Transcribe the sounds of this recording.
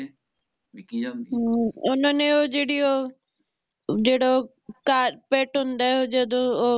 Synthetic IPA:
ʊnãnẽoːd͡ʒeːɽiːoː | d͡ʒeːɽo | kaːɾpeːʈɦʊ̃nd̪aːɛod͡ʒəd̪õoː

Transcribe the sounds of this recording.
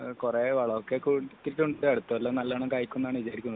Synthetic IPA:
kureʋɐɭɐokːekut̪ːiʈːuɳɖɖeɐɽut̪ːɐʋɐlːoːnɐlːaːnɳɐkaːjkʲːunːaːɳɨʋid͡ʑaːɾikʲːunːɐðɨ

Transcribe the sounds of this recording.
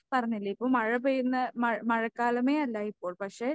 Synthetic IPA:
pɐrɐɲːilːɐipːoːmɐɻɐpejunːɐmɐɻmɐɻɐkːaːlɐmeːɐlːaːipːo̞ːɭpɐkʂe

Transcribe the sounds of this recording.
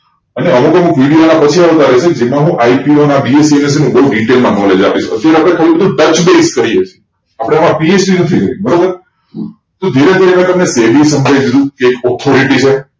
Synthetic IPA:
əneʔəmukəmukʋiɽionapət͡ʃʰiaʋt̪aɾəɦet͡ʃʰeked͡ʒemãɦũʔaipionabiesiemes̬inũbəɦuɖiʈelmãnɔled͡ʒapiʃə̰t̪ːjaɾeapɽ̃ekʰəʋĩpəd̪ũʈət͡ʃbeskəɾiet͡ʃʰe̥ | apɽeəmãpiesbinə̃t̪ʰĩkəɾibəɾoə | t̪od̪ʱiɾed̪ʱiɾemãk̪əmnesebisəmd͡ʒʱajd̪id̪ũkeːkɔt̪ʰoɾiʈit͡ʃʰe

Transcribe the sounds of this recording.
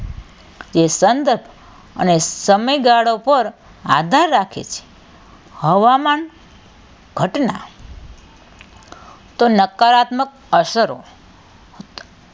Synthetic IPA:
d͡ʒesənd̪əɾbʱ | ə̰nesəməjɡaɽopəɾ | a̰d̪ʱaɾːakʰḛt͡ʃʰe̥ | həʋaman | ɡ̥ʱəʈna̰ | t̪onəkaɾat̪mək̚əsəɾo̰ | t̪

